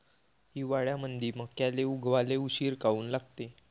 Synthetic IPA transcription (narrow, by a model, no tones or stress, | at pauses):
ɦiːʋaɭjamənd̪ʱiːməkjaleuɡʋaleuɕiːɾkauːnlaɡt̪e